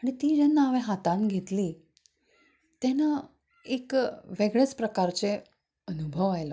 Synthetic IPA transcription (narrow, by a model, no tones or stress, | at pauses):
aɽ̃it̪iːd͡ʑɛnːaəʋẽɦat̪ãnɡʱet̪liː | t̪ɛna | ekʋeɡɭet͡spɾəkaɾt͡ɕe | ənubʱəʋajlɔ